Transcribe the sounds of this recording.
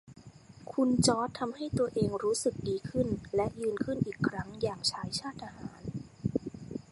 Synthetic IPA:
kʰu˧nt͡ɕɔː˦˥t̪ʰːa˧mha˥˩jt̪u˧ɐʔeː˧ŋɾuː˦˥sɯ˨˩k̚diː˧kʰɯ˥˩nlɛ˦˥ʔjɯː˧nkʰɯ˥˩nʔiː˨˩kʰːɾa˦˥ŋjaː˨˩ŋt͡ɕʰaː˦˥jt͡ɕʰaː˥˩t̪̚ʔa˧haː˩˦n

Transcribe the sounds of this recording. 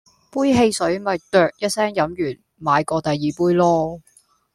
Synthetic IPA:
puː˥jɦe˧jsɵ˨˥ɥmɐ˨jt̪œː˨k̚jɐ˥t̚sɛː˥ŋjɐ˨˥mjyː˨˩n | maː˨˧jkɔː˧t̪ɐ˨jːiː˨puː˥jlɔː˥

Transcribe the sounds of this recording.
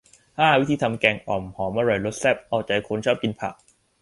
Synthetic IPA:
haː˥˩wi˦˥t̪ʰiː˧t̪ʰa˧mkɛː˧˩ŋʔɔː˨˩mhɔː˩˦mʔa˧ɾɔ˨˩jɾo˦˥t̪̚sɛ˥˩p̚ʔɔː˧˩t͡ɕa˨˩jkʰo˧nt͡ɕʰɔː˥˩p̚ki˧npʰa̰˨˩k̚

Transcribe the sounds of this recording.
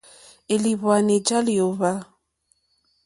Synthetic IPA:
e˨li˨βwa˨ne˨d͡ʒa˦li˨o˨βa˦

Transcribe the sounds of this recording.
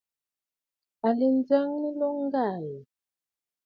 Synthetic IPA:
a˨li˨nd͡za˦ŋni˦lɔ˦ŋ˦ɡa˨ji˨

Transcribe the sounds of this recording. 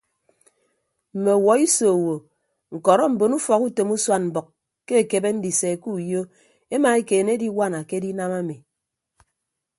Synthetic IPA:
m̩˨me˨wɔ˨i˦so˨wo˨ | ŋ̩˨kɔ˨ɾɔ˦m̩˨bo˨nu˦fɔ˨ku˦te˨mu˦swa˦nm̩˨bɔ˨k | ke˦e˨ke˨be˦n̩˦di˨se˨ku˦jo˦ | e˦ma˨e˦keː˨ne˦di˦wa˦˨na˨ke˦di˦na˦ma˦mi˨

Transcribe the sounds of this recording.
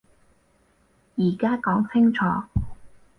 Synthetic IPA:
jiː˨˩kaː˥kɔː˨˥ŋt͡sʰɪ˥ŋt͡ʃʰɔː˨˥˦

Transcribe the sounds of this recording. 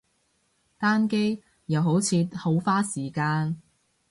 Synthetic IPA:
t̪aː˥nke˥j | jɐ˨wɦo˨˥wt͡sʰiː˨˧ho˨˧˥wfaː˥siː˨˩kaː˧n

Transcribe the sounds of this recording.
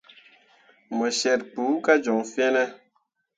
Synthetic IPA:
mə˨ʃɛ˨t̚k͡pu˨˦ka˦d͡ʒo˨ŋfe˦nɛ˦

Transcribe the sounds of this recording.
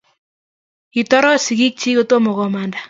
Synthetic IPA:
i˨tɔ˦ɾɔ˦si˨ɡi˦k̚t͡ʃi˦ko˦to˦mo˨ɣɔ˨manda˨

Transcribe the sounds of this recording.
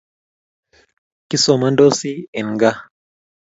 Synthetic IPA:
ki˦so˨ma˦ndo˦si˦ɛ˨nɡa˦

